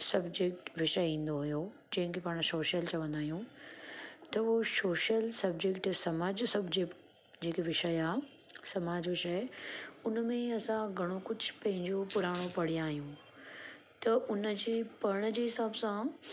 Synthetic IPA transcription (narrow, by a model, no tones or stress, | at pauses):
sɐbd͡ʑek̚ʈʋɪʃəĩːn̆d̪oɦʊjo | d͡ʑɐ̃ɦɪ̃kʰepaːɽ̃soːʃəlt͡ɕɐʋə̃nd̪aːɦijũ | t̪ɐɦosoːʃəlsɐb̚d͡ʑekʈsɐmaːd͡ʑsɐbd͡ʑekʈ | d͡ʑeːkeʋɪʃəjaː | sɐmaːd͡ʑʋɪʃəjʊnmẽɐsãɡʱɐɽ̃okʊd͡ʑʱpɐ̃ɦɪ̃ɲd͡ʑopʊɾaːɽ̃opɐɽ̤ijãaːɦijũː | t̪ɐʔʊnəd͡ʑeːpɐɾɽ̃d͡ʑeːɦɪsaːbsã